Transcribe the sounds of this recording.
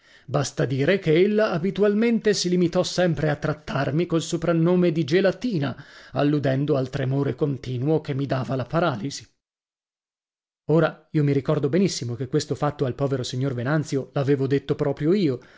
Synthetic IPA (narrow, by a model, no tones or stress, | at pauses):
bast̪ad̪iːɾekeelːaːbit̪ualment̪esilimit̪ɔsɛmpɾeat̪ːɾat̪ːarmikolsopɾanːoːmed̪id͡ʒelat̪iːnaalːud̪ɛnd̪oalt̪ɾemoːɾekont̪iːnuokemːid̪aːvalapaɾaːlizi | oːɾaiːomiɾikɔrd̪obenisːimokekːwest̪ofat̪ːoalpɔːveɾosiɲːorvenant̪sjolaveːvod̪et̪ːopɾɔːpɾjoiːo